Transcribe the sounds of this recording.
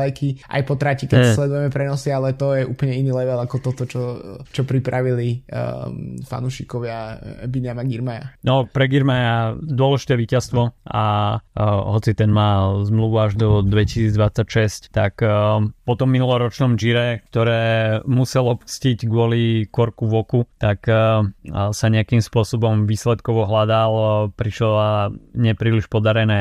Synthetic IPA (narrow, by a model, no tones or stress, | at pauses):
ajkʰiʔa̰jpɔt̪ɾacikɛslɛd̪ujɛmɛpɾɛnɔsialɛt̪ɔjɛʔṵːpl̩ɲɛinilɛʋɛlakɔt̪ɔt̪ɔt͡ʃɔt͡ʃɔpɾipɾaʋili | fa̰nuʃikɔʋɪabiɲamaɡiɾmaja̰nɔpɾɛɡiɾmajad̪ʊɔlɛʒit̪ɛːʋiːcast̪ʋɔa̰ | ɦɔt͡sit̪ɛnmaːzmluʋuaʒd̪ɔd̪ʋɛcisiːd͡zd̪ʋat͡sːacʃɛsct̪akpɔt̪ɔmːinulɔɾɔt͡ʃnɔmʒiɾɛkt̪ɔɾɛːmusɛlɔpt͡sciɟɡʊɔlikɔɾkuʋɔkut̪ak | saɲɛakimspʊɔsɔbɔmʋiːslɛt̪kɔʋɔɦlad̪alpɾiʃlɔaɲɛpɾiːliʃpɔd̪aɾɛnɛː